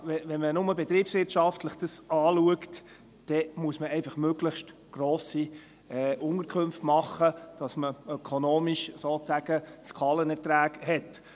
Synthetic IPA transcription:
ʋɛvɛnmənʊməbɛt̪ɾiːpsʋɪɾtʃɑftləχd̥əsɑːluəkt | d̥ɛmuəsməɛɪfɑχmøɡləχʃt | ɡ̥ɾoːsi | ɛʔʊnəɾkʰχɵmftmɑχːəd̥ɑsməœkʰonoːmiʃsoːt͡sæɡəskʰɑːlənɛɾtɾæːɡhɛt

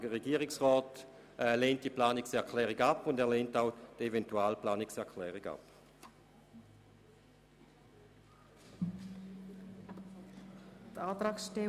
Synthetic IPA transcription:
əʁeɡiːəʁɪksʁɔːt | ɛleːnt̚d̥iəplaːniksɛɐkʰlɛːʁiɡapːʊndɛːɐleːntaʊd̥evɛntuaːlplaːniksɛɐkʰlɛːʁiɡa̰p | t̪aːt̪ɾaːksʃte

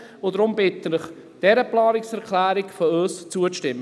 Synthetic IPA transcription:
odɾʊmbɪtənɪχ | d̥ɛɾəplɑːɾɪksɛɾkʰlæːɾɪkføøːst͡suəʃtɪmːə

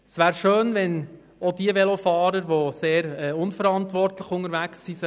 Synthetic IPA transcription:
sʋæːɾʃøːnʋɛn | od̥iəʋɛlofɑːɾəɾʋoseːɾɛʊnfəɾɑntʋɔrtləχʊŋəɾʋæksːiːsə

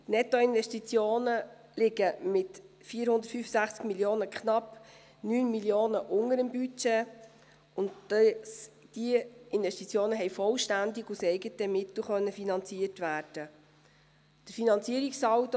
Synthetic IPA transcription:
tnɛtoɪnvɛʃtit͡sjoːnə | lɪɡəmɪt | fiːəɾhʊnd̪ə̥tfyːfəsæχt͡skmiljoːnəkʰχnɑp | nyːnmiljoːnəʔʊŋəɾəmbyt͡ʃe | ʊnt | d̥iɪnvɛʃtit͡sjoːnəɦɛɪfɔlʃtændɪɡusɛɪɡətəmɪtl̩χœnːəfinɑnt͡siətʋæːɾd̥ə | d̥əfinɑnt͡siəɾiksɑwt

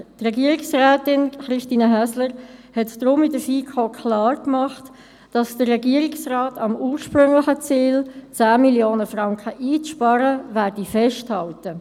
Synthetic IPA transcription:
trɛɡiəɾɪksʁæːtɪnχɾɪʃtiːnəɦæsləɾhɛtd̥ʁʊmɪdəfiːkʰokʰlɑːrkmɑχt | d̥ɑsd̥əːɛɡiəɾɪksrɑːtɑmuːɾʃpɾʏŋlɪχət͡siːlt͡sæːmiljoːnəfʁɑŋkχəʔiːt͡sʃpɑɾəvæːɾd̥ifɛʃthɑltə

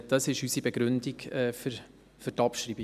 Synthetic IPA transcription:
d̥ɑsɪʃysibeɡ̥ɾʉndiɡ̥ɛːfɾ | fʏɾtɑpʃɾiːbi

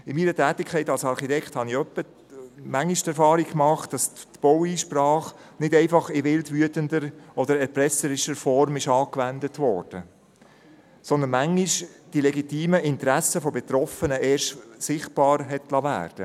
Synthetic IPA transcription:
ɪmiːɾətæːtːɪkʰɛɪtɑlsɑɾχitɛkχthɑniœpːət | mæŋːiʃtɛɾfɑːɾɪkkmɑχtd̥ɑstb̥ɔwiːʃprɑːχ | nɪdɛɪfɑχɪʋɪltʋyətəndəɾɔdəɾɛɾpɾɛsəɾɪʃəɾfɔɾmɪʃɑːkʋændətʋɔɾd̥ə | sɔnd̪ənmæŋːiʃd̥ilɛɡitiːməʔɪntɾæsəfɔbɛt̪ɾɔfənəʔeːɾʃsɪχt̚b̥ɑːɾɦɛtlɑvæ̰ːɾd̥ə

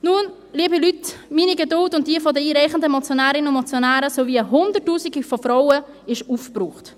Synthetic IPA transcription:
nun | liəbilytmiːniɡedʊltʊnt̚d̥iəfɔdəiːɾɛɪχəndəmɔt͡sjonæːɾɪnʊnmɔt͡sjonæːɾəsoviəɦʊndərtːuːsiɡifɔfɾaʊə | ɪʃufpruːχt

